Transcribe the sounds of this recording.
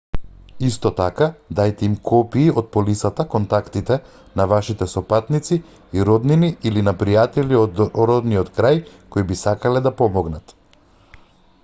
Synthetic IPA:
ist̪ɔt̪akad̪ajt̪ɛimkʰɔpiːɔt̪̚pɔlisat̪akɔnt̪akt̪it̪ɛ | navaʃit̪ɛsɔpat̪nit̪si | iɾɔd̪niniʔilinapɾijat̪ɛliɔd̪ɾɔd̪niɔt̪kɾaj | koibisakalɛd̪apɔmɔɡnat̪

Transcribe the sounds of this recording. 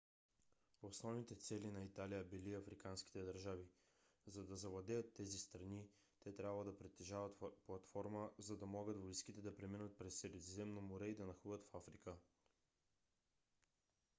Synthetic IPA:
osnɔvnit̪ɛt̪sɛlinɐit̪alijəbiliɐfɾikanskʲi̥t̪ɛd̪ɐɾʒavi | zɐd̪ɐzɐvlˠɐd̪ɛjət̪ːɛzist̪ɾɐni | t̪ɛt̪ɾʲabvəd̪ɐpɾɛt̪ːɛʒavət̪plˠɐt̪fɔɾməzɐd̪ɐmɔɡət̪voiskit̪ɛd̪ɐpɾɛminət̪̚pɾɛsːɛɾɛzzɛmnomoɾɛid̪ɐnɐxuvət̪fafɾikə

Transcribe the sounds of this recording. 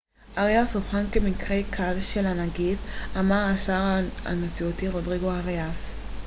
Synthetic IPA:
ʔaʁeasofħanke̞mikʁekʰavʃelanaɡifamaʁaʃaʁaa̰net͡siotiʁodʁiɡoaʁeas

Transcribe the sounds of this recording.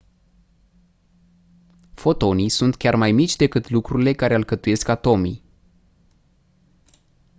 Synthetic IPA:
fo̞t̪o̞nijsunt̪kʲarmajmit͡ʃʲd̪e̞kɨt̪lukɾuɾile̞kaɾe̞ɨlkət̪uje̞skat̪o̞mḭ

